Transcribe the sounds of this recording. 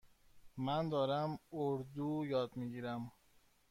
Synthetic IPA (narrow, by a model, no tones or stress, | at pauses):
mænd̪ɒːɾæmoɾd̪ujɒːd̪miɡiːɾæm